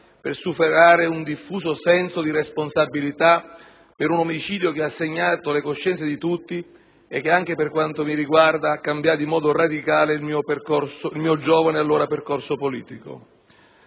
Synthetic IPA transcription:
persupeɾaːɾeund̪ifːuːsosɛnsod̪iresponsabːilit̪a | peɾunomit͡ʃiːd̪jok̟easːeɲːaːt̪olekoʃːɛnt̪sed̪it̪ut̪ːi | ek̟ːeaŋk̟eperkwant̪omiɾiɡward̪akːambjaimɔːd̪orad̪ikaːleilmiːoperkɔrsoilmiːod͡ʒɔːvanealːoːɾaperkorsopolḭːt̪iko̰

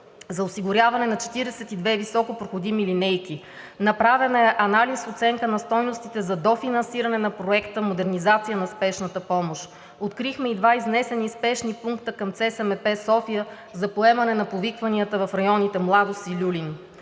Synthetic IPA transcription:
zɐosiɡʊɾʲjavɐnɛnɐt͡ʃɛ̥t̪iɾɛsɛt̪id̪vɛvisɔkopɾoxod̪imilinɛjki | nɐpɾavɛnɛʔɐnalisfot̪sɛŋkənɐst̪ɔjnost̪it̪ɛzɐd̪ɔfinɐnsiɾɐnɛnɐpɾoɛkt̪əmod̪ɛɾnizat̪sijənɐspɛʃnət̪əpɔmoʃ | ot̪kɾixmɛid̪vaiznɛsɛnispɛʃnipuŋkt̪əkɐmt̪sɛsɛmɛpɛsɔfijə | zɐpoɛmɐnɛnɐpovikvɐniət̪əvɐfɾɐjɔnit̪ɛmlˠad̪osilʲulin

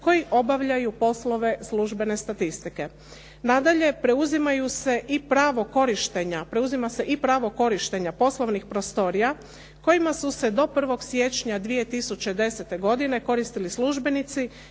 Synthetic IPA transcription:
ko̞jiʔo̞baʋʎajupo̞slo̞ʋe̞sluʒbe̞ne̞st̪at̪ist̪ike̞ | nad̪aʎe̞pɾe̞uzimajuse̞ʔipɾaːʋo̞ko̞ɾiʃt̪e̞ɲapɾe̞uzimase̞ʔipɾaːʋo̞ko̞ɾiʃt̪e̞ɲapo̞slˠo̞ʋnixpɾo̞st̪o̞ɾija | ko̞jimasuse̞d̪o̞pr̩ʋo̞ɡsje̞t͡ʃɲad̪ʋije̞t̪isut͡ɕed̪e̞set̪e̞ɡo̞d̪ine̞ko̞ɾist̪ilisluʒbe̞nit̪si

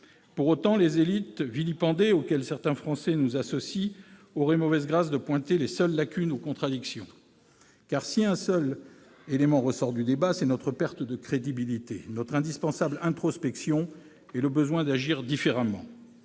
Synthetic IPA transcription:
puʁot̪ɑ̃lezelit̪vilipɑ̃d̪eokʲɛlsɛʁt̪ɛ̃fχɑ̃sɛnuzasɔsiɔʁɛmɔvɛzɡʁasd̪əpwɛ̃t̪elesœlːakʲynukɔ̃t̪χad̪iksjɔ̰̃ | kaʁsiɛ̃sœl | elemɑ̃ʁəsɔʁd̪yd̪ebasɛnɔt̪χəpɛʁt̪d̪əkχed̪ibilit̪ḛnɔt̪χɛ̃d̪ispɑ̃sablɛ̃t̪χɔspɛksjɔ̃ | ɛləbəzwɛ̃d̪aʒiʁd̪ifeʁamɑ̰̃

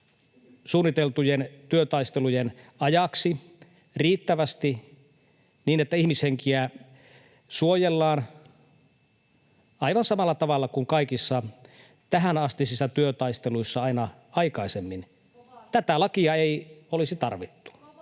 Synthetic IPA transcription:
suːnːit̪elt̪ujent̪yøt̪ɑist̪elujenɑjɑksi | riːt̪ːæʋæst̪i | niːnet̪ːæihmisheŋkiæ | suojelːɑːn | ɑiʋɑnsɑmɑlːɑt̪ɑʋɑlːɑkuŋkɑikisːɑ | t̪æɦænɑst̪isisːɑt̪yøt̪ɑist̪eluisːɑɑinɑ | ɑikɑisemːin | t̪æt̪ælɑkiɑeiolisit̪ɑrʋit̪ːu̥

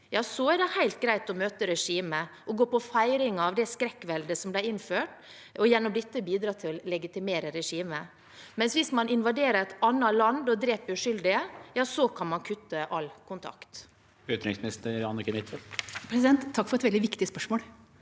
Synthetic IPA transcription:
jɑːsɔæɖɛhæɪlt̪̚ɡɾæɪt̪ɔmøːt̪əɾɛʂiːməʔɔɡoːpɔfæɪɾɪŋɑʋd̪ɛskɾɛkːʋɛld̪əsɔmblæɪɪnføːʈ | ɔjɛnːɔmd̪ɪt̪ːəbiːd̪ɾɑːt̪ʰɪllɛɡɪt̪ɪmeːɾəɾɛʂiːmə | mɛnsʋɪsmɑnɪnʋɑd̪eːɾəɾɛt̪ɑnːɑlɑnd̪ɔd̪ɾeːpʉʂʏld̪ɪəjɑːsɔkʰɑnmɑnkʰʉt̪ːəʔɑlkʰʊnt̪ʰɑ̰kt̪ | ʉːt̪ɾɪ̰ŋsmɪnɪst̪əɾɑnːɔkːɪmɪt̪fɛlpʰɾɛsɪd̪ɛnt̪ʰːɑkːfɔɾɛt̪ʋɛld̪ɪʋɪkt̪ɪspœʂmoːl

